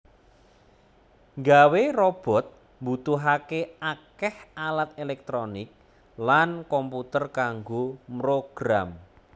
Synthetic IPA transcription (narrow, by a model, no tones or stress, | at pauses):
ŋɡawerɔb̥ɔ̤t̪̚ | mbut̪uɦakeakɛhalat̪̚elɛk̚t̪ɾonɪk̚ | lankɔmput̪ərkaŋɡomɾoɡ̥ɾam